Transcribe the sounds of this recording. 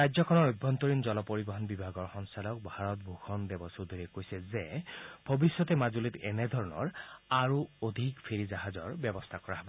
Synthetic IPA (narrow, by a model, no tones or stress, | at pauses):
ɹajzɔkʰɔnɔɹojbʱɔnt̪ɔɹinzɔlɔpoɹibɔɦɔnbibʱaɡɔɹxɔnsalɔk̚bʱaɹɔt̪̚bʱukʰɔnd̪ebɔsod̪ʱiɹɛkojsɛzeb̥ʱɔbisjɔt̪ɛmazulit̪ɛ̰nɛd̪ʱɔɹɔnɔ̰ɹaɹuod̪ʱikpʰeɹizaɦazɔɹbjɔbɔst̪ʰakɔɹaɦɛbɔ